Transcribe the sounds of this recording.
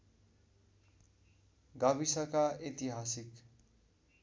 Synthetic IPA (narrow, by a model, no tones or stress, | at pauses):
ɡʌbisʌkaet̪iɦasik